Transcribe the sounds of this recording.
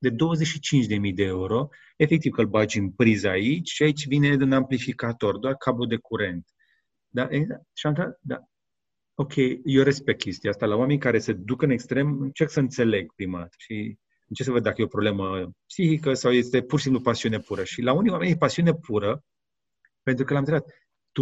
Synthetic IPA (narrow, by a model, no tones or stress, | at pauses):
d̪e̞d̪o̞wəzet͡ʃʃit͡ʃint͡ʃʲd̪e̞mijd̪e̞e̞uɾo̞ | e̞fe̞k̚t̪ivkəlbad͡ʒɨnpɾizait͡ʃʲʃiait͡ʃʲvine̞d̪unamplifikat̪o̞rd̪oarkʰabod̪e̞kuɾe̞nt̪ | d̪aʔeaʃamt̪ad̪a̰ | o̞kʲʰe̞jjoɾespekʲʰe̞st̪iast̪alawame̞nʲkaɾe̞sed̪ukɨne̞kst̪ɾe̞mɨnt͡ʃerksəɨnt̪se̞le̞ɡ̚pɾima̰t̪ʃi | ɨnt͡ʃesəvəd̪ːakəje̞o̞pɾo̞ble̞məpsixikəsawje̞st̪e̞purʃisimplupasiune̞puɾəʃilaunijwamenjepasiune̞pʰuɾə | pe̞nt̪ɾukəlamɨɾezat̪ | t̪u